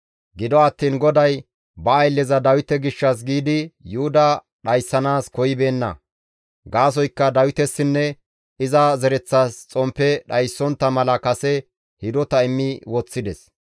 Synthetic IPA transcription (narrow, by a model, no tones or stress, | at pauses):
ɡɪd̪ɔɐt̪ːiːnɡɔd̪ɐj | bɐːjlːɛzɐd̪ɐwɪt̪ɛɡɪʃːɐs̬ɡiːd̪ɪjʊʊd̪ɐ | ɗɐjsːɐnaːskɔjɪbe̞ːnːɐ̰ | ɡaːs̬ɔjkːɐd̪ɐwɪt̪ɛsːɪnːɛ | ɪzɐzɛɾɛt͡sːast͡sʼɔmpːɛɗɐjsːɔnt̪ːɐmɐlɐkɐsɛ | hɪd̪ɔt̪ɐɪmːɪwɔt͡sːɪd̪ɛs